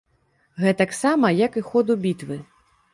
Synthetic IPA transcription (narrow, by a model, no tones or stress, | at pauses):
ɣɛt̪aksamɐjɐkɨxɔd̪ubʲit̪vɨ